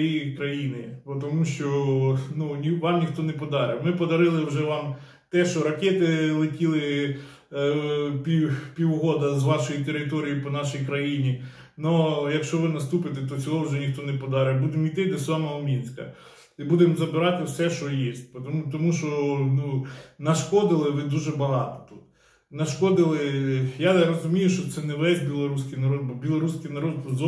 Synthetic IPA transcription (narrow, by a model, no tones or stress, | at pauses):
ikɾɐjinɪpɔt̪ɔmuʃt͡ʃɔnunʲiʋɑmnʲixt̪ɔnɛpɔd̪ɑɾɪmɪpɔd̪ɐɾɪlˠɪwʒɛʋɑm | t̪ɛʃt͡ʃɔɾɐkʲɛt̪ɪlˠɪtʲilˠɪ | pʲipʲiwɦɔd̪ɐzʋɑʃɔjit̪eɾɪt̪ɔɾʲijipɔnɑʃijkɾɐjinʲi | nɔjɐkʃt͡ʃɔʋɪnɐst̪upɪt̪ɛt̪̬ɔt͡sʲɔɦˠɔwʒɛnʲixt̪ɔnɛpɔd̪ɑɾɪbud̪ɪmijt̪ɪd̪ɛsʋɑmɪɔmʲinʲsʲkɐ̰ | ibud̪emzɐbɪɾɑt̪ɪwsɛʃt͡ʃɔjisʲt̚ʲpt̪ɔmuʃɔnunɐʃkɔd̪ɪlˠɪʋɪd̪uʒɛbɐɦɑt̪ɔ̥t̪ut̪ | nɐʃkɔd̪ɪlˠɪjaɾɔzʊmʲijʊʃt͡ʃɔt̪sɛnɛʋɛsʲbʲilˠɔɾusʲkɪjnɐɾɔd̪̚bɔbʲilˠɔɾusʲkijnɐɾɔd̪zɔ